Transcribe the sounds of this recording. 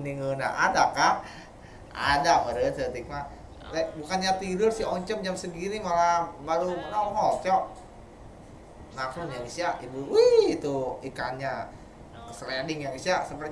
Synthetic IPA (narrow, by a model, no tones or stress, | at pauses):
niŋona̰ʔadaka | a̰daməɾət̪ət̪ik̚ma | t̪abukanɲat̪idʊrsiɔɲt͡ʃɔm̚d͡ʒamsəɡiɾimalabaɾumənɔŋɦɔlt͡ʃɔʔ | makɾunjaɡisiaibuwit̪uikanɲa | səlɛndɪŋjaɡisiasəmpər